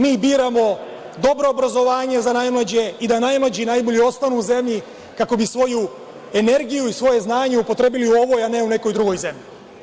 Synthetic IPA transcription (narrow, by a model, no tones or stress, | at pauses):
miːbiːɾamo̞ | d̪o̞bɾo̞ːbɾazo̞ʋaːɲe̞zanajmlˠad͡ʑe̞id̪anajmlˠad͡ʑinajboʎio̞st̪anuːuze̞mʎi | kako̞bisʋo̞ju | e̞ne̞ɾɡijuisʋo̞je̞znaːɲe̞upo̞t̪ɾe̞biliuo̞ʋo̞jane̞une̞ko̞jd̪ɾuɡo̞jze̞mʎi